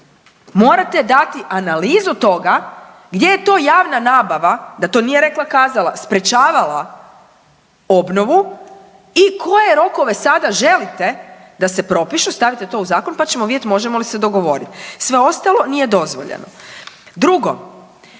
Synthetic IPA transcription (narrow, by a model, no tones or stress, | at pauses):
mo̞ːɾat̪e̞d̪at̪iʔanaliːzut̪o̞ɡa | ɡd̪je̞jet̪o̞ːjaːʋnanaːbaʋad̪at̪o̞ːnije̞ɾe̞klˠakaːzalˠa̰spɾe̞t͡ʃaːʋala | o̞bno̞ʋu | ikʰo̞je̞ɾo̞ko̞ʋe̞sad̪aʒe̞lit̪e̞d̪ase̞pɾo̞piʃust̪aʋit̪et̪o̞uzaːko̞npat͡ɕe̞moid̪ʲjet̪mo̞ʒemo̞lise̞d̪o̞ɡo̞ʋo̞ɾit̪sʋe̞o̞st̪alˠo̞nije̞d̪o̞zʋo̞̰ʎḛno̰d̪ɾuɡo̞̰